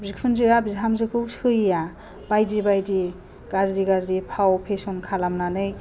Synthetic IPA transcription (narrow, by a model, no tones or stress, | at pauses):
bzik̚sʰunzɯabizɦamzɯkʰɯwsɯja | b̥ajdibajdi | ɡ̥azdiɡazipʰawpʰesɔnkʰalamnanɯj